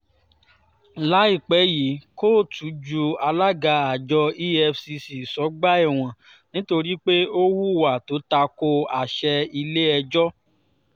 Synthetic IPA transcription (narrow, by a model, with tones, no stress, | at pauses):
la˨˦i˦˨k͡pɛ˨˦ji˨˦ko˦˨tʰu˨˦d͡ʒu˧a˧la˦ɡa˧a˨d͡ʒɔ˧i˦ɛ˧fsi˧si˨sɔ˨˦ɡ͡ba˦ɛ˦˨w̃ɔ̃˨ | nĩ˨˦to˧ɾi˦k͡pe˦o˦wu˦˨wa˨to˨˦ta˧ko˧a˨ʃɛ˧i˧le˦ɛ˧d͡ʒɔ˦